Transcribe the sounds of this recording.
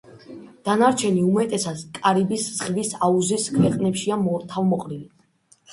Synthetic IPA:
d̪̥anaɾt͡ʃʰɛniumɛt̪ʼɛsad̪̥kʼaɾibiszʁvisauziskʰvɛqʼnɛpʃiamɔɾt̪ʰavmɔqʼɾili

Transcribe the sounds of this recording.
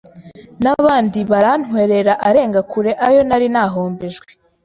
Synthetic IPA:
naβaːndiβaɾan̥we̞ɾe̞ɾaʔaɾe̞ːŋɡakuɾe̞ʔajo̞naɾinaːɦoːmbeʒɡwe

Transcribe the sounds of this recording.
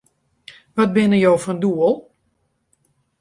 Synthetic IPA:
ʋɔt̚bɪnəjowfɔnduəlˠ

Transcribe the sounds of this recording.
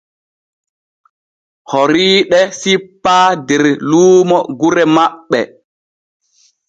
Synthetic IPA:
hɔɾiːɗɛsipːaːdɛɾluːmɔɡuɾɛmaɓːɛ

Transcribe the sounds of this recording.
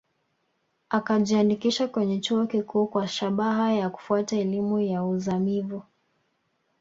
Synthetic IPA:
akaʄianikiʃakwɛɲɛt͡ʃuɔkikuːkwaʃaɓaɦajaku̥fuataɛlimujauzamivu

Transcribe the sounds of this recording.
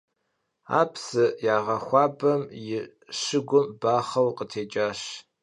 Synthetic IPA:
a̰ːpʰsɨjaːʁɐxʷɑːbɐmjɪ | ʃɨɡʷʊmbaːχɐwqətʰeːt͡ʃʼaːɕ

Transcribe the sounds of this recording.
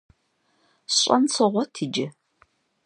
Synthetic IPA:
ɕʼɐnt͡sʰɨʁʷɔtʰiːd͡ʒɐ

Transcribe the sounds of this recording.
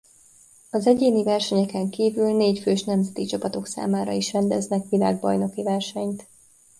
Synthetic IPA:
ɒzɛɟeːnivɛrʃɛɲɛkɛŋkiːvylneːcføːʃnɛmzɛt̪it͡ʃɒpɒt̪o̞ksa̰ːmaːɾɒ̰iʃrɛnd̪ɛznɛkʋilaːɡbɒjno̞kivɛrʃɛɲt̪

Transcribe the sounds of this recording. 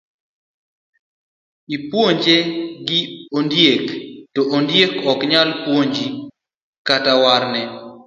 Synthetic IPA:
ipwoɲd͡ʒeɡɪondjektɔʔondjekɔkɲalpwoɲd͡ʒi | katawaɾnɛ

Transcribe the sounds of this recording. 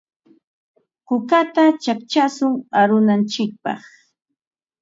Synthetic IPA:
qʊkat̪at͡ʃakt͡ʃasʊŋaɾʊnant͡ʃɪk̚pɑ̰χ

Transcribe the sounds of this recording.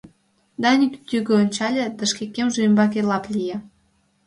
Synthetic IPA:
d̪ɑnʲit̪yt̪ʲyɣeonʲt͡ɕɑlʲĕd̪ə̆ʃkekʲːemʒeymbɑk̬elɑplʲije

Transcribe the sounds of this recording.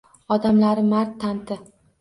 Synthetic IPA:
ɒd̪amlaɾɪmaɾt̪ʰːant̪ɪ

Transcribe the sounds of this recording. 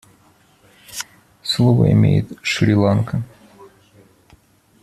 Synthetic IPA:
slˠovə̰ɪ̰mʲḛjɪt̪ʂɾʲɪlˠankə

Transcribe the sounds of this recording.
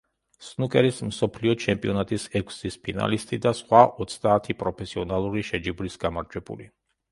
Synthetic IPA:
snukʼɛɾism̩sɔpʰliɔt͡ʃʰɛmpʼiɔnat̪ʼisɛkʰʷsispʰina̰list̪ʼid̪asχwaʔɔt̪sʰd̪aːt̪ʰipʼɾɔpʰɛsiɔnalˠuɾiʃɛd͡ʒiblisɡamaɾd͡ʒwɛbṵli

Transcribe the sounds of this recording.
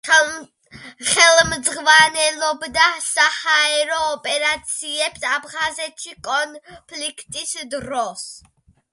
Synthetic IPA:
χɛlmd̪zʁvanɛlɔbd̪asahaɛɾɔːpʼɛɾat̪sʰiɛpsabʁazɛtʰikʼɔnpʰlikʰt̪ʼisd̪ɾɔs

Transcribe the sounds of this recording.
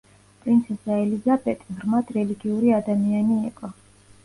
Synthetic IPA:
pʼɾint̪sʰɛsaɛlizabɛt̪ʼɾmad̪ɾɛliɡiuɾiad̪amianiɛkʼɔ

